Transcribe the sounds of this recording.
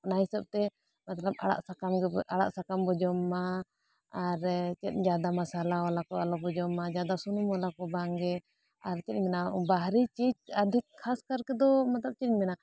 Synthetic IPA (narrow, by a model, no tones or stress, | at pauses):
ɔnaɦisəb̚t̪ɛ | mat̪ləb̚a̰ɽa̰ʔsakamɡɛʔaɽa̰ʔsakambɔd͡ʒɔmːaː | ɾt͡ʃɛt̪̚d͡ʒad̪amasalaɔlakɔalɔbɔd͡ʒɔmːad͡ʒad̪asunumɔlakɔbaŋɡɛ | aɾt͡ʃɛt̪̚mɛnabaɦɾit͡ʃid͡ʒəd̪ʱikʰːaskaɾkɛd̪ɔmat̪ləp̚t͡ʃɛt̪̚mɛna